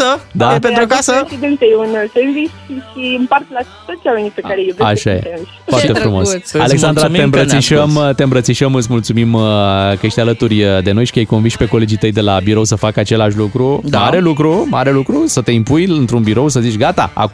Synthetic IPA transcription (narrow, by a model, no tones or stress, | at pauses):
əd̪apenɾotkasəid̪ent̪ejunseɾvisʃiɨmpart̪la | t̪ot̪t͡ʃʲalenipekaɾejevaʃajḛseiʃoartt̪efɾumo̞ssaleksand̪ɾaembɾət̪siʃəmt̪eɨmbɾət̪siʃəmɨt̪smult̪sumimkəje̞ʃt̪ʲalət̪urʲd̪e̞no̞jʃi̥kəjejko̞nvinʃʲpe̞ko̞le̞d͡ʒijt̪əjd̪e̞labiɾo̞wsəfakəat͡ʃe̞laʃlukɾuaɾe̞lukɾuma̰ɾe̞lukɾusət̪e̞impujɨnt̪ɾunbiɾo̞ws̬əzit͡ʃʲɡat̪a̰a̰